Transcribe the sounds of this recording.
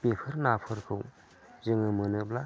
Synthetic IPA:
pepʰɯɾnapʰɯɾkʰɯw | zɯŋɯmɯnɯbla

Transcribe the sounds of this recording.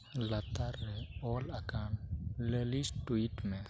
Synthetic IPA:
lat̪aɾːeɔlakanlelisʈuiʈmẽ

